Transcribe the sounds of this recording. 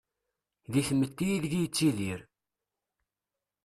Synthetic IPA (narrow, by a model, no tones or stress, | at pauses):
ðiθəmːət̪ːijiððijt͡sːiliɾ